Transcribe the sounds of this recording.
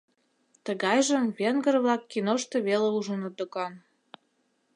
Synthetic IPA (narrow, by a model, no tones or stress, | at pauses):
t̪əɣɑjʒə̆mβenɡə̆rβlɑkːinoʃt̪ĕβeleuʒənot̪ŏkɑn